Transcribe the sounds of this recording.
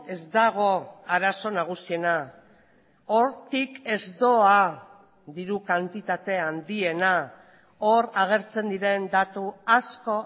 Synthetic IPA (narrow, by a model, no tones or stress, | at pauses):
e̞zd̪aɣ̞o̞aɾaso̞naɣ̞usie̞na | o̞ɾt̪ike̞zd̪o̞a | ðiɾukant̪it̪at̪e̞and̪ie̞na | o̞ɾaɣ̞e̞ɾt͡se̞nd̪iɾe̞nd̪at̪uasko̞